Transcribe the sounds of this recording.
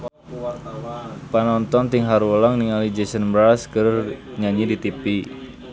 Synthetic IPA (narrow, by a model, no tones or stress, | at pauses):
panɔnt̪ɔnt̪iŋɦaɾwəlɔŋniŋalid͡ʒesənbɾaskərɲaɲidit̪ipi